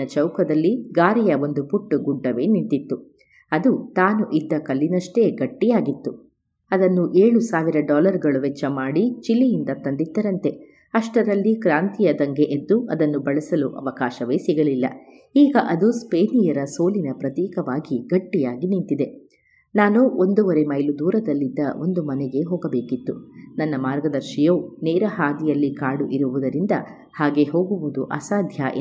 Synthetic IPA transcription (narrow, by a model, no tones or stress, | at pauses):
ɐt͡ʃɐwkɐd̪ɐlːiɡaːɾɛjɐo̞nd̪upuʈːuɡuɖːɐʋe̞ːnint̪it̪ːu | ɐd̪ut̪aːnuʔid̪ːɐkɐlːinɐʂʈe̞ːɡɐʈːijaːɡit̪ːu | ɐd̪ɐnːuʔeːɭusaːʋiɾɐɖɔːlɐɾɡɐɭuʋɛt͡ʃːɐmaːɽit͡ʃilːijind̪ɐt̪ɐnd̪it̪ːɐɾɐnt̪e̞ | ɐʂʈɐɾɐlːikɾaːnt̪ijɐd̪ɐŋɡe̞ʔed̪ːuʔɐd̪ɐnːubɐɭɐsɐluʔɐ̰ʋɐkaːʃɐʋe̞ːsiɡɐlilːɐ̰ | iːɡɐʔɐd̪uspeːnijɐɾɐso̞ːlinɐpɾɐt̪iːkɐʋaːɡiɡɐʈːijaːɡinint̪id̪e̞ | naːnuʔo̞nd̪uʋɐɾe̞mɐjlud̪uːɾɐd̪ɐlːid̪ːɐʔo̞nd̪umɐnɛɡe̞ɦoːɡɐbe̞ːkit̪ːunɐnːɐmaːɾɡɐd̪ɐɾʃijoːneːɾɐɦaːd̪ijɐlːikaːɽuʔiɾuʋud̪ɐɾind̪ɐ | haːɡe̞ɦo̞ːɡuʋud̪uʔɐ̰saːd̪ʱjaʔ